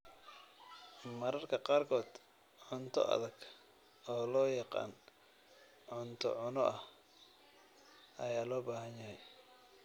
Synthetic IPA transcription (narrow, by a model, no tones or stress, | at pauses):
mɐɾɐrkʰɐqɑːrkʰɔːd̪ | ʕʊnt̪ʰɔ̰ʔɐ̰ðɐɡ | ɔːlɔːjɑqɑ̰ːn | ʕʊnt̪ʰɔ̰ʕʊnɔʔɐh | ʔɐjaːlɔːbaːɦɐnjɐɦɛj